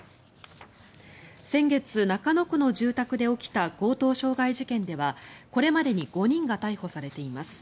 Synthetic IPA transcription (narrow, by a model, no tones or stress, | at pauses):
sẽ̞ŋɡe̞t͡sɨnakano̞kɯ̟no̞ʑɨːt̪akɯ̟d̪e̞o̞kʲi̥t̪aɡ̥o̞ːt̪o̞ːɕo̞ːɡaiʑikẽ̞nd̪e̞βako̞ɾe̞mad̪e̞ɲ̟iɡ̥o̞ɲ̟ĩŋɡat̪aiho̞saɾe̞t̪e̞imasɨ̥